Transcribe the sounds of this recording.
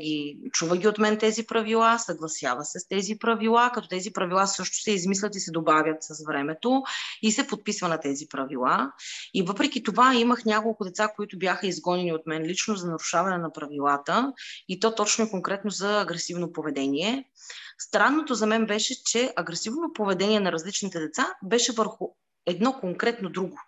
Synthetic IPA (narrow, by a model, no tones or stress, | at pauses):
ɡʲit͡ʃuvəɡʲiot̪mɛnt̪ɛzipɾɐvilˠasɐɡlˠɐsja̰vəsɛst̪ɛzipɾɐvilˠakɐt̪ɔt̪ɛzipɾɐvilˠasɤʃt̪o̥sɛizmislʲɐt̪isɛd̪obavʲjət̪səsvɾɛmɛt̪oisɛpot̪̚pisvɐnɐt̪ɛzipɾɐvilˠaivɤpɾɛk̟it̪ovaiməxnʲakolˠkʊd̪ɛt̪sakoit̪ʊbjaxəizɡɔnɛniot̪mɛnlit͡ʃnozɐnɐɾuʃavɐnɛnɐpɾɐvilˠat̪əit̪ɔt̪ɔt͡ʃnoɛkoŋkɾɛt̪nozɐːɡɾɛsivnopovɛd̪ɛniɛ | st̪ɾanːot̪ozɐmɛnbɛʃɛt͡ʃɛʔɐɡɾɛsivnot̪opovɛd̪ɛnʲiɛnɐɾɐzlit͡ʃnit̪ɛd̪ɛt̪sabɛʃɛvəɾxʊ | ɛd̪nɔkoŋkɾɛt̪nod̪ɾuɡo